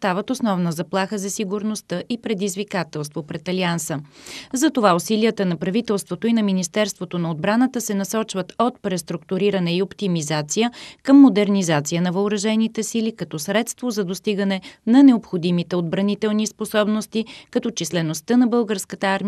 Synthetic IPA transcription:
st̪avət̪osnɔvnəzɐplˠaxəzɐsiɡʊɾnost̪əʔipɾɛd̪izvikat̪ɛlˠst̪vopɾɛt̪ɐliansəzɐt̪ovaosiliət̪ənɐpɾɐvit̪ɛlˠst̪vot̪oinɐminist̪ɛɾst̪vot̪onɐod̪bɾanət̪əsɛnɐsɔt͡ʃvət̪ot̪̚pɾɛst̪ɾʊkt̪ʊɾiɾənɛiopt̪imizat̪sijəkəmːod̪ɛɾnizat̪sijənɐvɐoɾɐʒɛnit̪ɛsilikɐt̪ɔsɾɛt̪st̪vozɐd̪ost̪iɡənɛnɐnɛopxod̪imit̪ɛod̪̚bɾɐnit̪ɛlˠnisposɔbnost̪ikɐt̪ɔt͡ʃislɛnost̪ənɐbɤlˠɡəɾskət̪əaɾmi

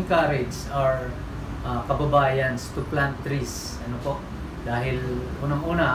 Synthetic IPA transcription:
ŋkaɾɪd͡ʒsɐɹ | ʔakɐbɐbaːjɐnst̪ʊplant̪ːɾis | ɐnopoʔ | d̪aːɦɪlʔuːnɐŋʔuːnɐ

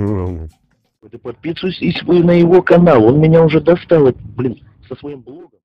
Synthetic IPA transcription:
ɨt̪ɨpɐt̪̚pʲit̪sʊjsʲɪsʲvɨjnəjɪvokɐnalˠo̞nmʲɪnʲaʊʐɛd̪ɐst̪alˠɛt̪blʲin | səsvɐjimblˠoɡəm

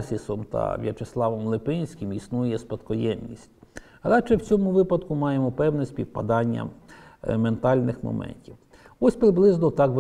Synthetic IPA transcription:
sʲisɔmt̪ɐ̰ʋʲjɐ̰t͡ʃeslˠɑʋɔmlˠɪpɪnʲsʲkʲɪmisnujjɛspɐt̪kɔjɛmnʲḭsʲtʲ | ɾɑt͡ʃɛwt͡sʲɔmʊʋɪpɐd̪kʊmɑjemɔpɛwnɛsʲpʲiwpɐd̪ɑnʲːɐ̰ | ment̪ɑlʲnɪxmɔ̰mɛ̰nʲtʲiw | ɔsʲpɾɪblˠɪznɔt̪ɑkʋ

